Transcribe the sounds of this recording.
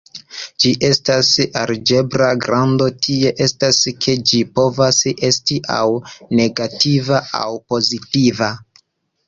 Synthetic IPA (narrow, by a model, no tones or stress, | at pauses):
d͡ʒiʔe̞stasaɾd͡ʒe̞bɾaɡɾando̞tʰie̞ʔe̞staskʰe̞d͡ʒipo̞vase̞stiʔa̰wne̞ɡativaa̰wpo̞zitiva